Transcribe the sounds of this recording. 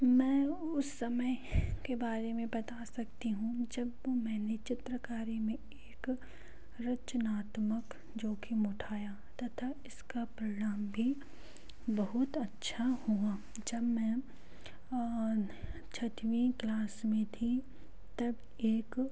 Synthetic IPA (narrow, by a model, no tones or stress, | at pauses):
mɛ̃ːʊsːɐməjkebaːɾemẽbɐt̪asɐkt̪iɦũd͡ʒɐbomɛ̃ːnet͡ʃɪt̪ɾəkaːɾimẽ | eːk | ɾɐt͡ʃənaːt̪mək | d͡ʒoːkʰimʊʈʰaːja | t̪ɐt̪ʰaɪskapɾɪɽaːmbʱi | bɐɦʊt̪ɐtːʃʰahua | d͡ʒɐbmɛ̃ː | t͡ʃʰɐt̪ʋĩːklaːsmẽt̪ʰi | t̪ɐb | eːk